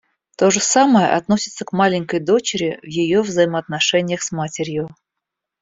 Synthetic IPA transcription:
t̪o̞ʐɨsaməjə̰ʔɐt̪nosʲɪt̪səkmalʲɪŋʲkəjd̪o̞t͡ɕɪɾʲɪvjɪjo̞vzəjɪməɐt̪nɐʂɛnʲɪjəxsmatʲɪɾʲjʊ

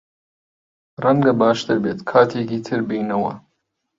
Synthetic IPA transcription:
rɐŋɡɐbaːʃt̪ʰɨɾbeːt̪kʰaːt̪ʰeːkiːt̪ʰɨɾbijnɐwɐ̰

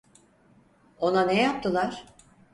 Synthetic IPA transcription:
o̞nanejap̚t̪ʰɯlˠaɾ̥

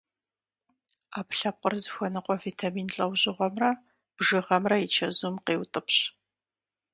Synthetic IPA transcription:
aːpɬɐp̚qʼərzxʷɔnɨqʷʼɔvetʰamiːnɬʼɐwʑɪʁʷɔmrɐ | b̥ʒɨʁɐmrɐit͡ʃʰɐzumqeːwtʼɨpʰɕ

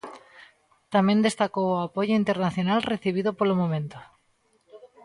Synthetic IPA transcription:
t̪amjẽnd̪e̞st̪akowoapoʝoint̪eɾnaθjonalreθiβ̞iðopolomõmẽnt̪o

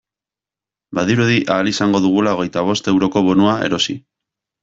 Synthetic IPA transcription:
baðiɾuðiʔaːlisaŋɡo̞ðuɣ̞ulao̞ɣe̞jt̪aβ̞o̞st̪e̞wɾo̞ko̞βo̞nuae̞̰ɾo̞si

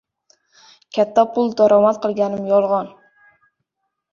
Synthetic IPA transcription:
kʲʰat̪ʰːapʰʊlˠd̪ɒɾɒmat̪̚qʰɨlˠɡʲanɪmjɒlˠʁɑn

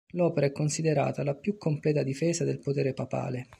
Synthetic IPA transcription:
lɔːpeɾaɛkːonsid̪eɾa̰ːt̪alapjukːomplɛːt̪ad̪ifeːzad̪elpot̪eːɾepapa̰ːle

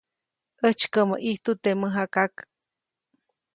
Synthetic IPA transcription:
ʔət͡ʃkəməʔiht̪ut̪eməɦakak

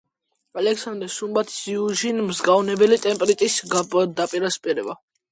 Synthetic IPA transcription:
alɛkʰsand̪ɾɛʃumbat̪ʰsiuʒinmzɡavnɛbɛlit̪ʼɛmpʼɛɾit̪ʼisɡd̪apʼiɾaspʼɛɾɛba

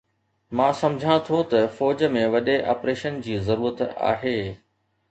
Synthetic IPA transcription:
mãːsɐ̃md͡ʑʱãt̪ʰot̪ɐfɔːd͡ʑə̆mẽʋɐɗeʔa̰ːpɾeːʃənd͡ʑiːzɐɾuːɾət̪a̰ːɦeː

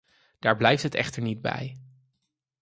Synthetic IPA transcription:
d̥aːɹblɛjftɦətɛ̰χtəɹnid̚bɛ̰j

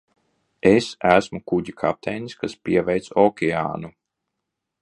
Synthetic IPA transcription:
esæsmukuɟikʰa̰p̚t̪ʰɛjniskaspʲiɛvɛjt̪sɔkʲɛa̰ːnu

